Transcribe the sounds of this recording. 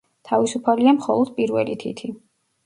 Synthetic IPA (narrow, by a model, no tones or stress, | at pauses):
t̪ʰavisupʰaliamχɔlˠɔd̪̥̚pʼiɾvɛ̰lit̪ʰḭt̪ʰi